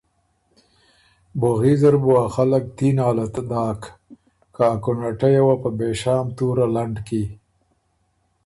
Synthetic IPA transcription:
boɣizaɾbuaxalək̚t̪inaːlat̪d̪ɑːk | kaːkʊnaʈajawapəbeʃɑːmt̪uɾalaɳɖki

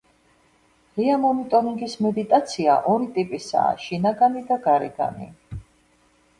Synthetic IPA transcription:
liamɔnit̪ʼɔɾiŋɡismɛd̪it̪ʼat̪sʰia̰ʔɔɾit̪ʼipʼisa̰ːʃinaɡanid̪aɡaɾɛɡa̰nḭ

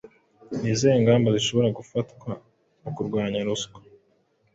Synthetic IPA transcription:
niːzeiŋɡaːmbaziʃo̞βo̞ɾaɡufatkwa | mukuɾɡwaːɲaɾuskḁ

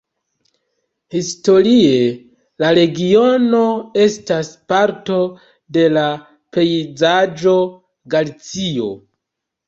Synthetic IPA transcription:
histo̞ɾie̞ | laɾe̞ɡio̞no̞e̞staspaɾto̞ | de̞la | pe̞jzad͡ʒo̞ | ɡalit͡sio̞̰

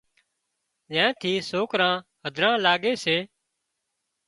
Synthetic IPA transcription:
zɛ̃ːt̪ʰiːsoːkɾãːɦəd̪ʱɾãːlaːɡeːseː

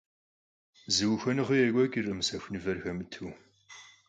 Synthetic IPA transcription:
zɨwxʷɐnɨʁɐjɛɡʷʼɐkʼirɐmɨsɐxʷʊnɨvɐrxɐmɨtʰɨw

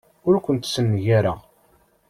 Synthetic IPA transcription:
ʊɾkʷənt̪sənːəʝaɾa

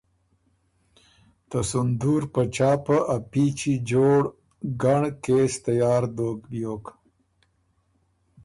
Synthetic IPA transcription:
t̪əsund̪uːɾpət͡ʃɑːpəʔapit͡ʃid͡ʒoːɽ | ɡaɳkeːst̪ajɑːɾd̪okbjoːk

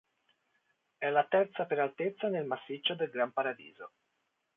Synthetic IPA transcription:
ɛlːat̪ɛrt̪sapeɾalt̪et̪sːanelmasːit͡ʃːod̪elɡɾampaɾad̪ḭːzo

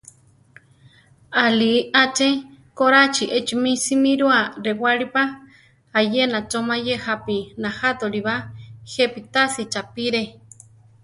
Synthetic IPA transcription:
aliʔat͡ʃekoɾat͡ʃiʔet͡ʃimisiniɾuaɾewaɺipaː | jenat͡ʃomajehapinahat̪oɺiβaxepit̪asit͡ʃapiɾe

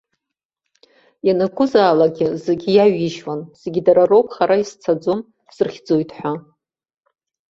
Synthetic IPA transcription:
janakʷʰʊzaːlaɡʲizeɡʲijaɥiʃwanz̥eɡʲidaɾaro̞wpʰχaɾaist͡sʰad͡zom | z̥ɨrχʲd͡zojtʰħʷa

